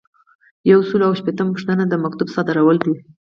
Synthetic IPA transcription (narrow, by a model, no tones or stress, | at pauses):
jawsulawʃpet̪əmpu̥ʂt̪ənad̪əmak̚t̪ubsɑd̪ɪɾawəld̪i